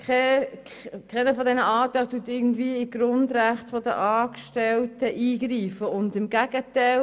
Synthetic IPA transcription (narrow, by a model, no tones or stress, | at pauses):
kɛ | kʰɛɪnəfɔdɛnəʔɑːtaɪtuːətɪɡn̩dviəɪɡ̥ɾʊndʁæχtfɔdə̰ʔɑːkʃtɛltəʔiːɡriːfəʊndɪmɡæɡ̥ətaɪ